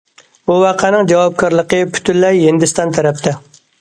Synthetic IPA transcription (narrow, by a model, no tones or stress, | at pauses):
buwɑqʰænɨŋd͡ʒɑwɑp̚kʰɑɾlˠəqəpʰy̥t̪ʰynlɛjɦind̪ɪst̪ɑnt̪ʰɛɾɛp̚t̪ʰɛ